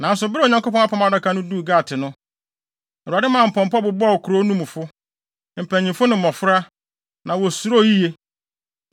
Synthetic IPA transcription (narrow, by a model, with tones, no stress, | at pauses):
nã˨n̩˦sʊ˨bɾo˨ɲã˨ŋko˦pʰɔ̃˦ŋa˦pʰɔ̃˦ma˨da˦kʰa˨nʊ̃˦du˦˨ɡaː˦˨tʰɪ˨nʊ̃˦˨ | u˨a˨dɪ˦mã˨m̩˨pʰɔ̃˨mpɔ˦bʊ˨bɔ˦˨kʰu˨ɾo˦nũ˦m˨fʊ˦ | m̩˨pʰæ̃˨ɲĩ˨mfʊ˦nɪ̃˨m̩˨ɔ̃˨fʊ˦ɾa˦ | nã˨wɔ˨su˨ɾo˦˨ji˦je˦